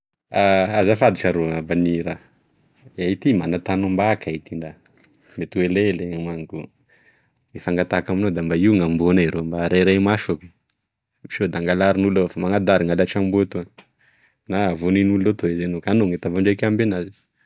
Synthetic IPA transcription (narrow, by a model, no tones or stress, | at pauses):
aazafad̪it͡ʃaɾoabaniɾa | ait̪imanat̪anumbakʰait̪ind̪a | met̪ueleleŋamaŋku | ifaŋɡat̪akaminod̪ambaiŋambonaɾombaɾeɾajmaʃoku̥ | i̥ʃod̪aŋɡalaɾinulofamaŋad̪aɾiŋalaʈ͡ʂambot̪u | navoninullot̪oezenokanoŋet̪avaɳɖ͡ʐakambenazi̥